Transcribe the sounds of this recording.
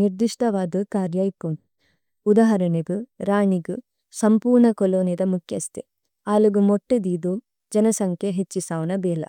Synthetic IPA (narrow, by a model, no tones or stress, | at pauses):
niɾd̪iʂʈʰɐʋaːd̪ɨkaːɾjaːjpon | ud̪aɦɐɾɐneɡuɾaːɳiɡu | sɐmpuːɾɳɐkɔloːnid̪ɐmukʰjɐst̪e | aːluɡumoʈːud̪iːd̪u | d͡ʒɐnɐsɐŋkʰjeɦet͡ʃːisaːʋnɐbɛːlɐ̰